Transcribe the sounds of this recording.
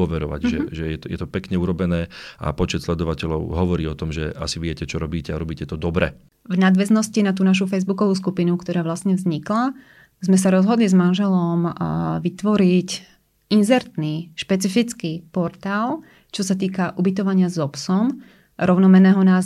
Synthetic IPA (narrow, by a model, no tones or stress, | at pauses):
ɔʋɛɾɔ̰ʋa̰ɟʒɛʒɛjɛt̪ɔjɛ̰t̪ɔpɛkɲɛuɾɔbɛnɛːʔa̰pɔt͡ʃɛt̪slɛd̪ɔʋacɛʎɔʊɦɔʋɔɾiːɔt̪ɔmʒɛ̰a̰siʋɪɛcɛt͡ʃɔɾɔbiːcɛaɾɔbiːcɛt̪ɔd̪ɔbɾɛ̰ | vnad̪ʋɛznɔscinat̪̬uːnaʃ̬ufɛjzbukɔʋuːskupinukt̪ɔɾaːʋlasɲɛvzɲikla | zmɛs̬aɾɔzɦɔd̪lizmanʒɛlɔmʋit̪ʋɔɾic | inzɛɾt̪niʃpɛt͡sifit͡skipɔɾt̪aːl | t͡ʃɔsat̪iːkaʔubit̪ɔʋaɲɪazɔpsɔm | ɾɔʊnɔmɛnɛːɦɔnaː